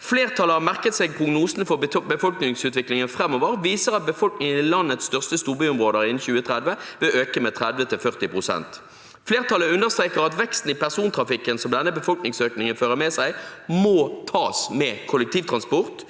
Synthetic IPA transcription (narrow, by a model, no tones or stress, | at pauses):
fleːʁt̪ʰɑləhɑʁmæʁkət̪seːɡ̚pʰʁʊɡnuːsn̩fɔbəfɔlknɪŋsʉːt̪ʋɪklɪŋənfʁɛmːoːʋəʁʋiːsəʁɑt̪̚bəfɔlknɪŋənɪlɑnːət̪sst̪œʁst̪əst̪uːʁbyːʊmʁoːd̪əʁɪnn̩çʉːət̪ʰʁɛd̪ʋəʋɪʔøːkəmɛt̪ʰʁɛd̪ʋət̪ʰɪlfœʁt̪ɪpʁʊsɛ̰nt̪ | fleːʁt̪ʰɑləʉnːəʁst̪ʁeːkəʁɑt̪ʋɛkst̪n̩ɪpʰæʁsuːnt̪ʰʁɑfɪkːənsɔmd̪ɛnːəbəfɔlknɪŋsøːknɪŋənføːʁəmɛsæɪmoːt̪ʰɑːsmɛkʰʊləkt̪ʰiːʋt̪ʰʁɑnspʊʁt̪